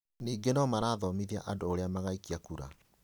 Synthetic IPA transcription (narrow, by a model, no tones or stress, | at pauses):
niːɡenɔmaɾaːðɔmiðia̰ʔadoːɾeamaɣaikiakuɾa̰